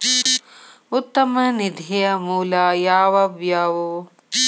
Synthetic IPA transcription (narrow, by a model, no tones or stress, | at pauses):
ut̪ːɐmɐnid̪ʱejɐmuːlaːjaːʋɐbjaːʋo